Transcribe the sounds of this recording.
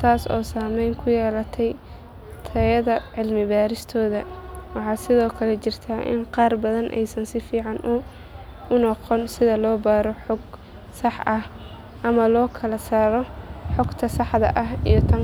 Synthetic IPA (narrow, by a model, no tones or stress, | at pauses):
t̪ʰaːsɔ̰ːsaːmɛjŋkʰʊjɛːlɐt̪ʰɛj | t̪ʰɐjɐðɐʕɪlmɪβaːɾɪst̪ʰɔːðɐwɑħɑːsɪðɔːkʰɐlɛt͡ʃɪrt̪ʰaːʔɪ̰nqɑːrbɐðɐnʔɛ̰jsɐnsɪfiːʕɑnʔʊ | ʊnɔqɔnsɪðɐlɔːbaːɾɔħɔɡ | sɑħʔɐh | ʔɐmɐlɔːkʰɐlɐsaːɾɔħɔɡt̪ʰɐsɑħd̪ɐ̰ʔɐɦijɔt̪ʰɐŋ